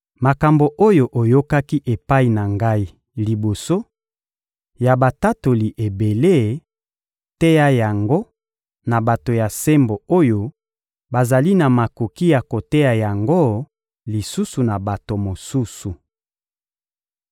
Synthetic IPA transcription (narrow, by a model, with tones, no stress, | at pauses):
ma˨ka˨mbo˨ʔo˦jo˦ʔo˨jo˦ka˦ki˦ʔe˨pa˦i˨na˨ŋɡa˦i˦ | li˨bo˨so˦ | ja˨ba˨ta˦to˨li˨ʔe˨be˨le˦ | te˦ja˦ja˨ŋɡo˦ | na˨ba˨to˨ja˨se˦mbo˨o˦jo˦ | ba˨za˨li˦na˨ma˨ko˨ki˦ja˨ko˨te˦ja˨ja˨ŋɡo˦ | li˨su˦su˨na˨ba˨to˨mo˨su˦su˨